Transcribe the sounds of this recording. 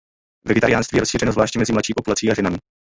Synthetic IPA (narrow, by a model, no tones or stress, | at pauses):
vɛɡɛt̪aɾɪjaːnst̪viːjɛɾosʃiːrɛnozvlaːʃcɛmɛzɪmlatʃiːpo̞pulat͡siːaʒɛnamɪ